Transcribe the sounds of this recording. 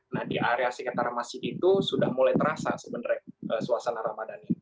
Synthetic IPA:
nahdiʔaɾeasəkat̪aɾamasɪhit̪usudahmulajt̪əɾasa̰səbəndəɾaʔəsuasanaɾamadani

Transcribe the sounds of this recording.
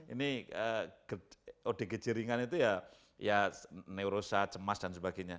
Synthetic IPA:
ḭniəɡ̥əode̤ɡəd͡ʒəɾiŋanit̪uja | janeuɾosat͡ʃəmasd̥ansəbaɡeɲa

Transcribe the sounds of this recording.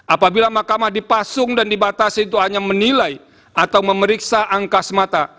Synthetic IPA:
ʔapabilamakamahdipasʊŋdandibat̪asint̪uɦaɲamənilaj | at̪awməməɾiksaʔaŋkasmat̪a

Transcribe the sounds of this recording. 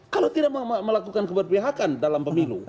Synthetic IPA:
kalot̪idaʔmaməlakukankəbərpiɦakandalampəmilṵ

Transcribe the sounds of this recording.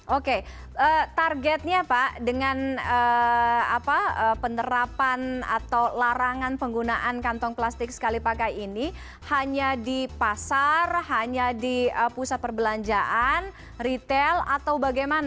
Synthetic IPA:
ʔoke | ət̪arɡɛt̪̚ɲapaʔdəŋanə | a̰paəpəndəɾapana̰t̪awlaɾaŋanpəŋɡunaʔankant̪ɔŋplast̪ɪk̚sə̥kalipakajini | haɲadipasarhaɲadiəpusat̪̚pərbəlaɲd͡ʒaʔan | rit̪ɛla̰t̪awbaɡajmana

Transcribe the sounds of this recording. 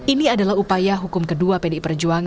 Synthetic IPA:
iniadalahupajaɦukʊmkəduapediʔpərd͡ʒuaŋ

